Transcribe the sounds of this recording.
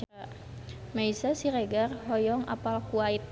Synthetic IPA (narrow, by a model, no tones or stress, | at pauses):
maisasiɾeɡarɦɔjɔŋa̰palkuait̪̚